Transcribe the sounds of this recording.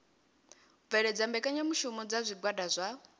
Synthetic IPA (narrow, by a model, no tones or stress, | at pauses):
vɛɺɛd͡zambɛkʼaɲamuʃumɔd͡zazʷiɡwadazʷa